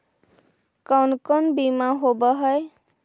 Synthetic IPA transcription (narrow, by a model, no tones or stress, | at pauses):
kawnkɔnbimaɦobɔɦɔj